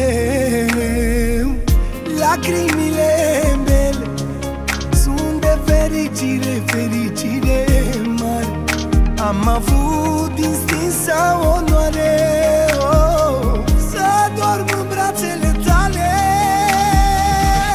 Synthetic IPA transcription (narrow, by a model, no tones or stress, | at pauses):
lakɾimilebɛl | sund̪eveɾid͡ʒiɾefeɾid͡ʒilemaɾ | amavud̪ĩnsinsawonwaɾe | o | sad̪ɔɾmubɾaselet̪ale